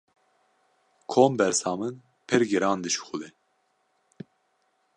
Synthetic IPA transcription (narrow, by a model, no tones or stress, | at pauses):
kʰoːmbɛɾsɑːmɨn | pʰɨɾɡiɾɑːnd̪ɨʃu̥xʊlɛ